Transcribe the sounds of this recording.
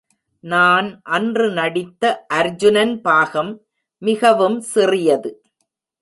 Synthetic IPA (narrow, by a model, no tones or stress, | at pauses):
naːnʔɐndrɯnɐɽɪt̪ːɐʔɐɾd͡ʒʊnɐnpaːɣɐmː | ɪɣɐʋɯmsɪrɪjɐðɯ